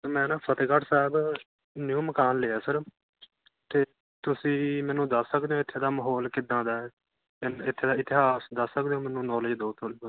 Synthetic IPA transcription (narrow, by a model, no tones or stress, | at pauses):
mɛ̃ːnãːpʰət̪ːɡəʈsɛːb | njuːməkaːnleːaːsəɾ | t̪eː | t̪ʊsĩːmɛ̃ːnũːd̪əsːək̚d̪eːõːɪt̪ʰːeːd̪aːməɦɔːlkɪd̪ãːd̪aː | ɪnɪt̪ʰːeːd̪aːɪt̪ɪɦaːsd̪əsːəkd̪eːõːmɛ̃ːnũːnɔːld͡ʒd̪oːt̪ʰoːɽiː